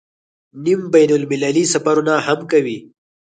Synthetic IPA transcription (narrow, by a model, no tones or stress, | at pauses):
nimbajnʊlmɪlalisafaɾunahamkawi